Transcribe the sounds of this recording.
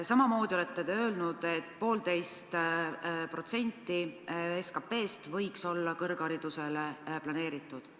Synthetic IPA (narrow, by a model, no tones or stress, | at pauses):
sɑmɑmo̞ːd̪̥ʲiole̞t̪ːˑe̞d̪eø̞ːlnud̪̥e̞t̪ːˑpo̞ːld̪e̞jst̪ | pro̞t̪se̞nʲt̪ːˑieskɑpe̞ːst̪vɤjkso̞lːɑkɤrɡ̥ɑɾid̪̥use̞leplɑne̞ːɾit̪ːˑud̪̥